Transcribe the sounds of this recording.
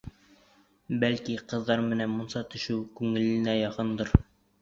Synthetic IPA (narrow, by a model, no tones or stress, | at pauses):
bælkiqɤ̆ðːɑɾmɘ̆nænmunsɑt̪ɵ̆ʃɘwkʉŋɘ̆lɘ̆næjɑqɤnd̪ɤɾ